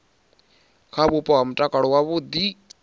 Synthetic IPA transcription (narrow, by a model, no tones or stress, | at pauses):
kʰabupɔamʈakaɽuwaβud̪i